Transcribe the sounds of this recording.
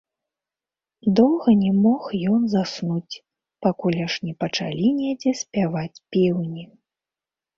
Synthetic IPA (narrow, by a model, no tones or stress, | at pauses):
d̪ɔwɣɐnʲɛmɔxjɔnzasnut͡sʲ | pakulʲaʂnʲɛpɐt͡ʂa̰lʲinʲed͡zʲɛsʲpʲavat͡sʲpʲiwnʲi